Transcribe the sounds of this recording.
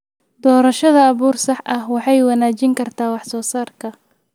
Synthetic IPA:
d̪ɔːɾɐʃɐðɐːβuːrsɑħʔɐhwɑħɑjwɑnaːt͡ʃɪŋkʰɐrt̪ʰaːwɑħsɔːsaːrkʰɐ

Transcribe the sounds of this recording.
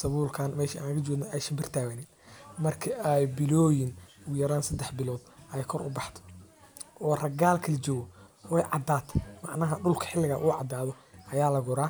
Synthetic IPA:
sɐβuːlkʰaːnmɛːʃɐa̰ːnlɐɣɐt͡ʃɔːɡnɐʔɛjsɐmbɪr̥t̪ʰaːwɐnɪnmɐrkʰɪʔɛjbɪlɔːjɪnʊjɐɾaːnsɐd̪ɛħbɪlɔːd̪ʔɛjkʰɔɾʔʊ̰bɑħt̪ʰɔ̥ʔɔːrɐɡaːlkʰɐlit͡ʃɔːɣɔɛjʕɑ̰d̪aːt̪ʰɐmɑʕnɐɦɐɖʊlkʰɐ̥ħɪlːɪɣɐʔʊʕɑd̪aːðɔʔɐjaːlɐɣʊɾaː

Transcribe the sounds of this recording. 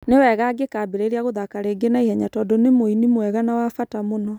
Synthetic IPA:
newɛɣaɡekaːbeɾeɾiaɣoðakaɾeɡenaihɛɲatɔdoɔnemoinimwɛɣanawafatamonɔ

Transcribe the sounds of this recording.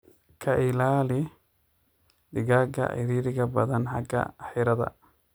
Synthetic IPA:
kʰɐʔɪlaːlɪ | d̪ɪɣaːɡɐ̰ʔɪ̰ɾiːɾɪɣɐbɐðɐnħɑɡɐ̰ħɪɾɐðɐ̰

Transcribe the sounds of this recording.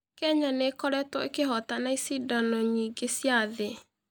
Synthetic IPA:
kɛɲanekɔɾɛtwɔekeɦɔtanaisidɔnɔɲiːɡesjaðe

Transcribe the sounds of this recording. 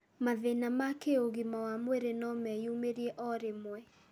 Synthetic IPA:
maðenamakeoɣimawamweɾenɔmɛjumeɾiɛʔɔɾemwɛ

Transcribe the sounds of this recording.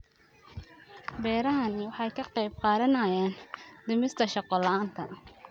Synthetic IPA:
bɛːɾɐɦɐnɪwɑħɑjkʰɐqɑjb̚qɑːðɐnɐjaːnd̪ɪmɪst̪ʰɐʃɑqɔlɑaːnt̪ʰɐ̰

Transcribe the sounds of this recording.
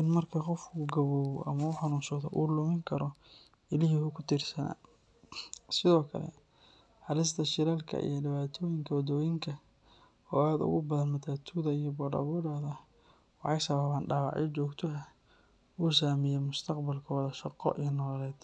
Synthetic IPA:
ʔɪnmɐrkʰɐqɔfkʰuɡɐβɔːwʔɐmɐʊħɑnuːnʃɐðɔ̰ʔuːlʊmɪŋkʰɐɾɔ | ɪlɪɦihʊkʰʊt̪ʰiːrsɐna̰ː | sɪðɔːkʰɐlɛ̰ | hɑlɪst̪ʰɐʃɪɾɛːlkʰɐ̰ʔḭjɔɖɪβaːt̪ʰɔːjɪŋkʰɐwɐd̪ɔːjɪŋkʰɐ | ɔːaːd̪ʊ̰ɣʊbɐðɐnmɐt̪ʰaːt̪ʰuðɐijɔbɔɖɐ̰βɔɾɐðɐ | wɑħɑjsɐβɐβaːnɖɑːwɑ̰ʕjʔɛt͡ʃɔːɡt̪ʰɔɐ | uːsaːmɪjɛmʊst̪ʰɐqbɐlkʰɔːðɐʃɑqɔ̰ʔijnɔːlɛːd̪

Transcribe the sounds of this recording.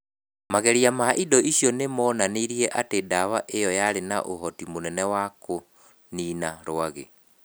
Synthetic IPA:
maɣɛɾiamaʔidɔʔiɕjɔnemɔnaniɾiɛʔatedawaʔejɔjaɾena̰ʔoɦɔtimonɛnɛwako | niːnaɾoaɣḛ

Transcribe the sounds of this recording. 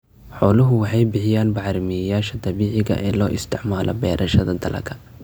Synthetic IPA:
ħɔːlʊɦʊwɑħɑjbɪħɪjaːnbɑʕɾɪmɪjɐjaːʃɐd̪ɐβiːʕɪɣɐ̰ʔɛːlɔːʔɪst̪ʰɪʕmaːlʔɔ̰bɛ̰ːɾʔɐʃɐðɐd̪ɐlʔɐ̰kʰɐ

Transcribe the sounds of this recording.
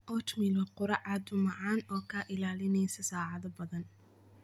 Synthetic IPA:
ʔɔːt͡ʃmɪlɔqʊɾɑʕɑd̪ʊmɑʕɑːnɔːkʰaʔɪlaːlɪnɛjsɐsaːʕɑðɐbɐðɐn

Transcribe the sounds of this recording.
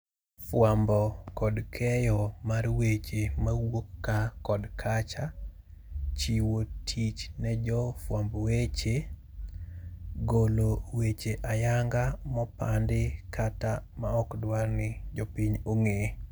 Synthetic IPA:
fwambɔkɔdkʰɛjɔmarwet͡ʃemawokːakɔdkʰat͡ʃa | t͡ʃiwotʰit͡ʃnɛd͡ʒɔfwambɔwet͡ʃe | ɡolowet͡ʃeʔajaŋɡamɔpandɪkatama̰ɔkdwarnɪd͡ʒɔpiɲoŋe

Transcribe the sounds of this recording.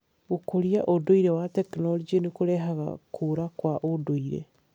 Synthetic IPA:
ɣokoɾiaʔodoiɾɛwatɛknɔld͡ʒenikoɾɛɦaɣa̰kʰoɾakwaʔodoiɾḛ

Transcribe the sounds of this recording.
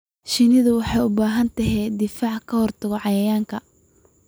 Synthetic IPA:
ʃɪnɪðʊwɑħɑjʊbaːɦɐnt̪ʰɐɦɛːd̪ɪfaːʕkʰɐhɔrt̪ʰɐɣɔʕɑjɐjaːŋkʰɐ

